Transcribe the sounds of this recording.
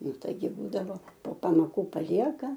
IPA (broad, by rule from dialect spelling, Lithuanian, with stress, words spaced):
ˈnʊ ˈtɐɪɡʲɪ ˈbuːdɐʋoː poː pɐmoːˈkuː pɐˈlʲiɛkɐ